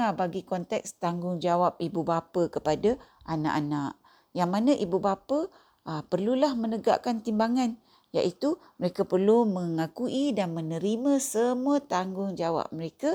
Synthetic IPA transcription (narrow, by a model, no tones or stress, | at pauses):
abaɡikɔnt̪ɛkst̪aŋɡʊŋd͡ʒawap̚ibubapəkəpada | ʔana̰ʔanaʔ | jaŋmanãʔibubapə | əpərlulahmənəɡa̰ʔkant̪imbaŋan | ja̰ʔit̪uməɾekapərluməŋakuʔidanmə̃nəɾimãsəmuət̪aŋɡʊŋd͡ʒawa̰p̚məɾeka